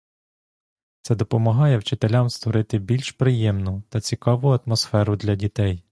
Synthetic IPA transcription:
t̪sɛd̪ɔpɔmɐɦɑjɛwt͡ʃɪt̪elʲamst̪ʋɔɾɪt̪ɪbʲilʲʃpɾɪjɛmnʊt̪ɐt͡sʲikɑʋʊɐt̪mɔsfɛɾʊd̪lʲɐdʲit̪ɛj

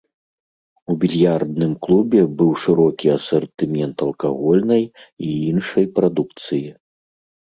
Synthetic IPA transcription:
ubʲilʲjard̪̚nɨmklˠubʲɛbɨwʂɨɾɔkʲiɐsɐrt̪ɨmʲɛnt̪ɐlˠkaɣɔlʲnɐjiinʂɐjpɾad̪ukt̪sɨji

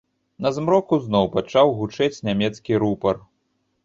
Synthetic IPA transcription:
nɐzmɾɔkuznɔwpat͡ʂawɣut͡ʂɛt͡sʲnʲamʲɛt̪skʲiɾupɐr

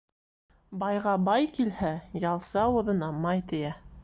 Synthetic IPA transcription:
bɑjʁɑbɑjkilhæjɑlˠsɑŏðɤ̆nɑmɑjt̪ɘ̆jæ

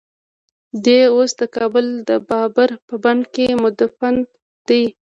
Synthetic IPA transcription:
d̪eosd̪əkɑbʊld̪əbɑbaɾpəbankemʊd̪afan | d̪̥ij

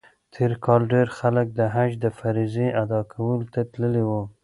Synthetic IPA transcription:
t̪ʰeɾkʰɑlɖeɾxalək̚d̪əɦad͡ʒd̪əfaɾiziʔad̪ɑkʰawəlot̪at̪ləlewu

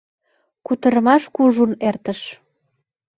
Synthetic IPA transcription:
kut̪əɾəmɑʃkuʒunert̪əʃ

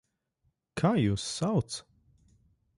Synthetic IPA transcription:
kʰaːjuːsːawt̪s

